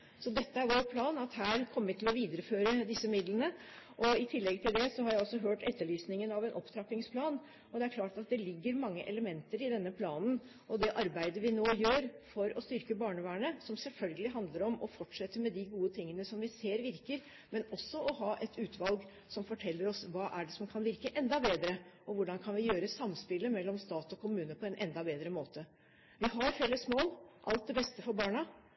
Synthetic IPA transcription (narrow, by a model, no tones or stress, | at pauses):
sɔd̪ɛt̪ːəæɾʋoːɾpʰlɑːnɑt̪hæːɾkʰɔmːʋɪt̪ʰɪlɔʋiːd̪əɾəføːɾəd̪ɪsːəmɪd̪lənəʔɔɪt̪ʰɪlːɛɡt̪ʰɪld̪ɛsɔhɑɾjæɪɔsːɔɦøːʈɛ̰t̪ːəɭyːsnɪŋənɑʋɛnʔɔpːt̪ʰɾɑpɪŋspʰlɑːn | ɔd̪ɛæɾkʰlɑːʈɑt̪̚d̪ɛlɪɡːəɾmɑŋːəʔɛləmɛnt̪əɾɪd̪ɛnːəpʰlɑːnn̩ | ɔd̪ɛʔɑɾbæɪd̪əɾʋɪnoːjøːɾfɔɾɔst̪ʏɾkəbɑːɳəʋæːɳəsɔmsɛlfœlɡəlɪɦɑnd̪ləɾɔmɔfɔʈʂɛt̪ːəmɛd̪ɪɡuːət̪ʰɪŋːənəsɔmʋɪseːɾʋɪɾkəɾ | mɛnɔsːɔʔɔɦɑːʔɛt̪ʉːt̪ʰʋɑlɡ | sɔmfɔʈʰɛlːəɾɔsʋɑːʔæɖɛsɔmkʰɑnʋɪɾkəʔɛnd̪ɑbeːd̪ɾəʔɔʋʊɖɑnkʰɑnʋɪjøːɾəsɑmspɪlːəmɛlːɔmst̪ɑːt̪ɔkʰʊmʉːnəpʰɔɛnʔɛnd̪ɑbeːd̪ɾəmoːt̪ə | ʋɪɦɑɾfɛləsmoːlʔɑ̰lt̪̚d̪ɛbɛst̪əfɔɾbɑːɳɑ